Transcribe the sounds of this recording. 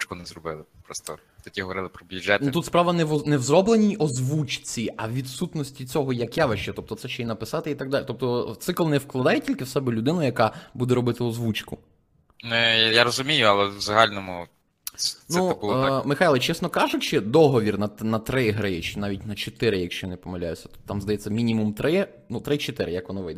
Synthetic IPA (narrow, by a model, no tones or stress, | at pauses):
kʊnɛzrɔbɪlˠɪpɾɔst̪ɔ | t̪ɐt̪ʲiɦɔʋɔɾɪlˠɪpɾɔbʲid͡ʒɛt̪nut̪ut̪spɾɑʋɐnɛʋnɛwzrɔblˠenʲijɔzʋut͡ʃt͡sʲiɐʋʲid̪sut̪nɔsʲtʲit͡sʲɔɦɔjɐkjaʋɪʃt͡ʃɛt̪ɔp̚t̪ɔt̪sɛʃt͡ʃɛinɐpɪsɑt̪ɪit̪ɐɡd̪ɑlʲt̪ɔp̚t̪ɔt̪sɪklˠnɛwklˠɐd̪ɑjetʲilʲkɪwsɛbɪlʲʊd̪ɪnʊjɐkɑbud̪ɛɾɔbɪt̪ɪɔzʋut͡ʃkʊ | nɛjaɾɔzʊmʲijʊɐlˠɛvzɐɦɑlʲnɔmʊ | nɛubulɔmɪxajlˠɐt͡ʃɛsnɔkɑʒjɐkʃt͡ʃɛd̪ɔɦɔʋʲirnɐnɐt̪ɾɪɦɾɪɛt͡ʃnɑʋʲitʲnɐt͡ʃet̪ɪɾɪjɐkʃt͡ʃɔjnɪpɔmɪlʲa̰jʊsʲɐ̥t̪ɔ̥t̪ɑmzd̪ɐjɛt͡sʲːɐmʲinʲimumt̪ɾɪ | nut̪ɾɪt͡ʃet̪ɪɾɪ̰jɐkʋɔnɔʋɪjd̪ɛ